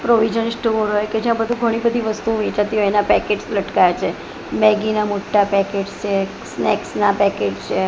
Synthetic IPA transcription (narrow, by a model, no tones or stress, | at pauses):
pɾoʋid͡ʒənsʈuoɾɦojked͡ʒijãbəd̪ʱũɡʱəɽ̃ibəd̪ʱiʋəst̪uõʋɛt͡ʃat̪iɦɔenapɛkeʈsləʈkajat͡ʃʰe | mɛɡinamoʈːapɛkeʈst͡ʃʰe | sneksnapɛked͡ʒt͡ʃʰe